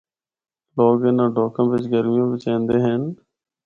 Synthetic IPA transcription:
loːɡeːnãːɖʱoːkãːʋɪt͡ʃɡəɾmɪjãːʋɪt͡ʃɛ̃ːnd̪eːɦɛn

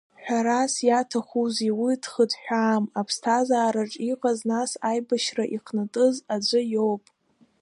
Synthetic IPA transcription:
ħʷᶣaɾasjatʰaχuziwitʰχədħʷᶣaːmapʰstʰazaːɾaʈ͡ʂʼiqʼaznasajbaʃraʔiqʰnɨtʼɨzad͡ʒʷɨjowpʼ

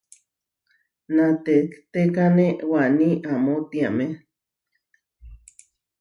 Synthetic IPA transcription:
nat̪et͡ɬt̪ekanewaniʔamot̪iame

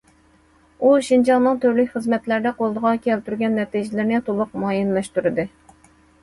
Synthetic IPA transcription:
uʃind͡ʒɑŋnɨŋt̪ʰøɾlykʲχəzmɛt̪læɾd̪ɛqolˠd̪əʁɑkʲʰɛlt̪yɾɡʲɛnːɛt̪iʒɪlɪɾnɪt̪ʰolˠʊq̚mɑjinlˠɑʃt̪yɾɨd̪ɨ

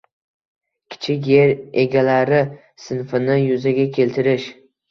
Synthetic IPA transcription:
kʲʰɪ̥t͡ʃʰɪkʲjeɾe̞ɡʲalaɾɪ | sɪnfɪnɪjʊzaɡʲakʲʰe̞lt̪ʰɪɾɪʃ

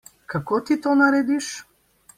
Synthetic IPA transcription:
kakot̪it̪onaɾɛːd̪iʃ

